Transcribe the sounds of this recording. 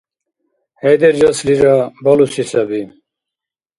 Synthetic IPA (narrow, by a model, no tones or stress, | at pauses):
hɛd̪eɾd͡ʑɐsliɾabɐlusisɐbi